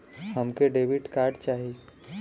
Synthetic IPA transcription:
ɦəmkeɖeːʋɪʈkaːɾɖt͡ʃaːɦii

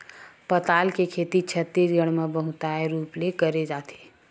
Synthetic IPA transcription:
pət̪aːlkekʰet̪it͡ʃʰət̪ːisɡəɽ̃mebəɦut̪aeɾuːplekəɾed͡ʒat̪ʰe̥

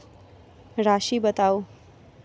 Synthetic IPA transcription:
ɾaɕiːbət̪aw

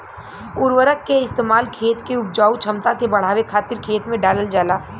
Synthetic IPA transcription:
ʊɾʋəɾəkːeɪst̪eːmaːlkʰeːt̪keʊp̚d͡ʒaːut͡ʃʰəmt̪akebɐɽ̤aːwekʰaːt̪ɪɾkʰeːt̪mẽɖaːləld͡ʒaːlaː

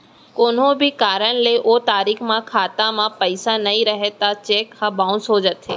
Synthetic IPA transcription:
koːn̤õbʱɪkaːɾəɽ̃leʔot̪aːɾikmãkʰaːt̪ãmãpəɪsanɐĩɾɐɦet̪at͡ʃeːkhãbaːʊ̃nsoːd͡ʒət̪ʰːeː

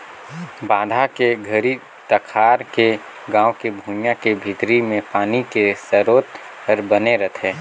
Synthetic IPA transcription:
baːd̪ʱakeɡʱəɾi | t̪əkʰaːɾke | ɡãːokebʱuːnjãkebʱɪt̪ɾimẽpaːnikesəɾoːt̪ | pɐɾbɐneɾət̪ʰeː

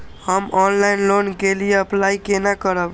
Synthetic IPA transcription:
həmɔnlainlonkelijeəplajkenakəɾəb

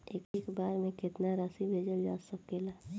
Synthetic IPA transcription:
ekekbaːɾmẽkɪt̪naɾasibʱeːd͡ʒəbd͡ʒa̰ːsəkela

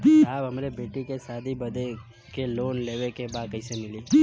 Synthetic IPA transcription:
abəmaɾebeʈikesad̪ʱibəd̪ʱe | kelonleʋekebakəisenili

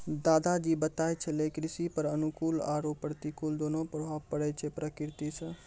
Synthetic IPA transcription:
d̪aːd̪ad͡ʒibət̪ajt͡ʃʰɛlekɾisipəɾənukuːlaɾopːəɾt̪ikuld̪onopɾobʱabpəɽɛt͡ʃʰɛpɾəkɪɾt̪isə̃

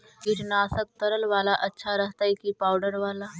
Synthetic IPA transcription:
ɡiɾnaːsək̚t̪əɾəlʋaːlaʔɐtːʃʰaɾəɦt̪aikipaːwɖəɾʋaːla

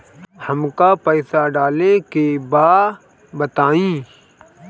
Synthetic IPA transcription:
hɐmkapɛːsaɖaːlekebaː | bɐt̪aːĩː

